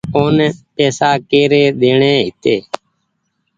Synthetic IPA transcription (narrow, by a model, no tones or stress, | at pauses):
oːnɛpɛːsaːkeːɾeːɗ̪eːɳeːɦɪt̪eː